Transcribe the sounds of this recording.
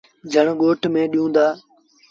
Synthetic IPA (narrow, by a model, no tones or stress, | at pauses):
d͡ʒʱəɳɠoːʈʰmẽːɗijũːnd̪aː